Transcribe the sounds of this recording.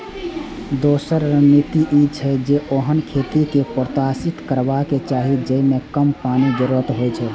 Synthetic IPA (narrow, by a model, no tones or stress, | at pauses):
d̪osəɾːənit̪iʔit͡ʃʰɛd͡ʒeʔoɦənkʰet̪ikepɾət̪asɪt̪kəɾbaket͡ʃaːɦid͡ʒəimekəmpaːnid͡ʒəɾuɾət̪ɦojt͡ʃʰɛ